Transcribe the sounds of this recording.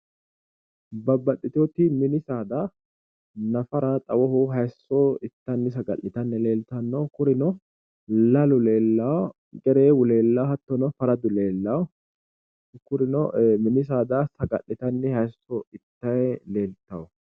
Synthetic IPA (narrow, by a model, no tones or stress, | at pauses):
bɐbɐɗːɪt̪oːt̪ɪmɪnɪsaːd̪ɐ | nɐfɐɾɐt̪ʼɐwɔhʊɦɐjsːɔɪt̪ːɐnːɪs̬ɐɡɐʔːɪt̪ɐnːɛle̞ːlt̪ɐnːokʊɾɪnɔ | lɐlʊle̞ːlːɐwɔ | ɡɛɾeːwʊle̞ːlːɐwhɐt̪ːɔnɔfɐɾɐd̪ʊle̞ːlːɐwɔ | kʊɾɪnɔmɪnɪs̬aːd̪asɐɡɐʔːɪt̪ɐnːɪhɐjsːɔɪt̪ːɐjɛle̞ːlt̪ɐwɔ